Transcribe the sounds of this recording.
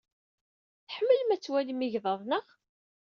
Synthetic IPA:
θħəmːəlmæt͡sːwælimiʝðˤɑðˤnəʁ

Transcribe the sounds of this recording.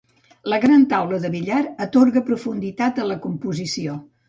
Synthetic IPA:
ləɣɾant̪awləðəβiʎaɾət̪oɾɣəpɾufund̪it̪at̪ələkumpuzisio

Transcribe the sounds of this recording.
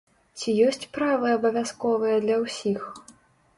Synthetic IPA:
t͡sʲijɔsʲt͡sʲpɾavɨɐbɐvʲaskɔvɨjɐd̪lʲɐwsʲix

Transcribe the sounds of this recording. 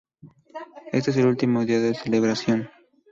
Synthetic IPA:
es̬t̪ees̬elult̪imoðiaðeseleβɾasjo̞n

